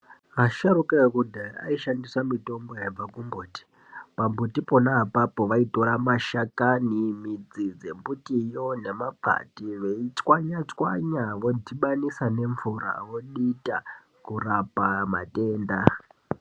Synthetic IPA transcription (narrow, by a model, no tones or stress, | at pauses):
aʃaɾukekudʱaa̰iʃandiswamito̞mbojaab͡vakumbuːti̥ | pambutiponaɦapapo̞ʋaito̞ɾamaʃakanimid͡zid͡ze̞mbutijone̞mapa̰tiʋe̞it͡swaɲat͡swa̰ɲaʋo̞dʱiɓanisane̞ɱvuɾa̰ʋo̞ɗita | kurapama̰te̞ːnda